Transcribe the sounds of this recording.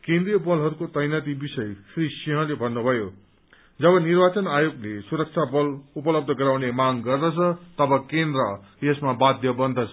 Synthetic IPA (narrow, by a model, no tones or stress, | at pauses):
kẽnd̪rijʌbʌlɦʌɾukot̪ʌjnat̪ibisʌjsrisiɦʌ̃lebʱʌnːubʱʌjo | d͡zʌbʌnirbat͡sʌnajoɡlesuɾʌk̚t͡sʰabʌlupʌlʌb̚d̪ʱʌɡʌɾawnemaŋɡʌrd̪ʌt͡sʰʌt̪ʌbʌkend̪rʌ | jesmabad̪ʱjʌbʌnd̪ʱʌt͡sʰʌ